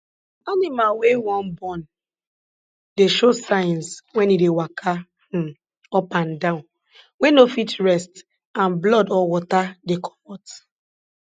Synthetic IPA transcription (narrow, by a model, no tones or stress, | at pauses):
animalwewɔ̃nbɔ̃n | deʃosãɪnswɛ̃nidewakʰã | ɔpãndãʊ̃n | wenofitɹɛst | ãnblɔdɔwɔtadekʰɔ̥mɔt